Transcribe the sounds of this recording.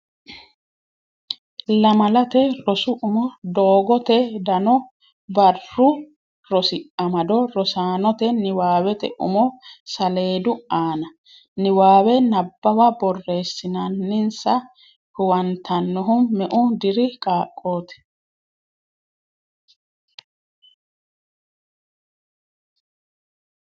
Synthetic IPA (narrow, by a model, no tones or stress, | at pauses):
lɐmɐlɐt̪ɛɾɔsʊʔʊmɔd̪oːɡɔt̪ɛd̪ɐnɔ | bɐrːʊ | ɾɔsɪʔɐmɐd̪ɔɾɔsaːnɔt̪ɛnɪwaːwɛt̪ɛ̰ʔʊ̰mɔsɐle̞ːd̪ʊaːnɐ | nɪwaːwɛnɐbːɐwɐbɔrːe̞ːsːɪnɐnːɪnsɐ | hʊwɐnt̪ʰɐnːɔɦʊmɛʔʊd̪ɪɾɪkʼaːkʼːo̞ːt̪ɛ̥